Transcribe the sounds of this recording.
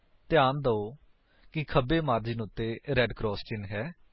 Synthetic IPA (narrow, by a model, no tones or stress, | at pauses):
t̪ɪjaːnd̪əoː | kɪkʰəbeːmaːɾd͡ʒiːnʊt̪ːeːɾɛːɖkɾɔːst͡ʃɪnɦɛː